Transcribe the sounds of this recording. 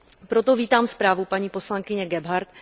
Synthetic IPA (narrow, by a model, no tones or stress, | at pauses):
pɾo̞t̪o̞viːt̪aːmspɾaːvupaɲiːpo̞slaŋkɪɲɛɡɛbɦaɾt̪